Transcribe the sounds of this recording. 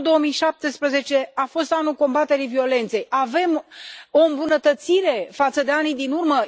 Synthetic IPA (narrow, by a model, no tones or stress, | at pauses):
d̪o̞omijʃap̚t̪espɾəze̞t͡ʃe̞afo̞st̪anulko̞mbat̪e̞ɾivio̞le̞nt̪se̞jave̞mo̞ɨmbunət̪ət̪siɾe̞fat̪səd̪e̞anijd̪inurmə